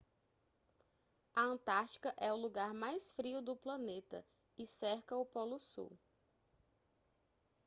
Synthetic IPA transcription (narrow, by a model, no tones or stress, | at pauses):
ɐə̃t̪aɾt͡ʃi̥kɐʔɛʊluɡaɾmajsfɾiʊd̪ʊplɐ̃net̪ɐ̰ | ɪsɛɾkɐʊpɔlʊsṵw